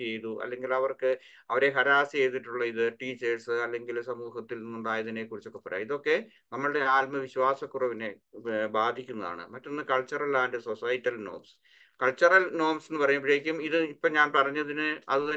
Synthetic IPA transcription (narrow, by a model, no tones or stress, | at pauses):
ejðuʔɐ̰lːe̞ŋɡilɐʋɐrkɨ | ɐʋɐɾe̞ɦɐɾaːsie̞jt̪ːiʈːuɭːɐiðɨʈiːt͡ɕːɐrsɨɐlːe̞ŋɡilsɐmuːɦɐt̪ːilninːunɳɖaːjɐðine̞kurit͡ɕːokːepːɐɾa̰ːiðo̞kːe̞ | nɐmːɐɭɨɽe̞aːlmɐʋiɕwaːsɐkːurɐʋine̞baːd̪ʱikʲːunːɐða̰ːɳɨ̰mɐtːo̞nːɨkɐɭt͡ɕːɐrɐlaːnɖɨsosɐjtːɐlno̞̰ːrms | kɐɭt͡ɕːɐrɐlno̞ːmsenːɨpɐrɐjːɐpːɐɻejikʲːumiðɨipːɐɲaːnpɐrɐɲːɐðinɨɐðɨt̪ɐ